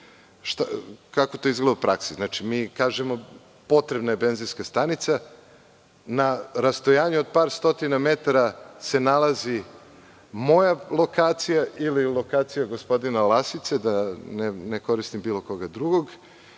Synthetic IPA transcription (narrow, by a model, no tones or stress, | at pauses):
ʃt̪akako̞t̪o̞izɡled̪upɾaksiznat͡ʃimiːkaːʒemo̞ | po̞t̪ɾebnajebe̞nziskast̪anit̪sa | naɾast̪ojaːɲuod̪̚paːɾst̪o̞t̪iname̞t̪aɾase̞nalazi | mo̞jalˠo̞kaːt̪sijaʔililˠo̞kaːt̪sijaɡo̞spo̞d̪inalˠasit̪sed̪aneneko̞ɾist̪imbiːlˠo̞ko̞ɡad̪ɾuɡo̞ɡ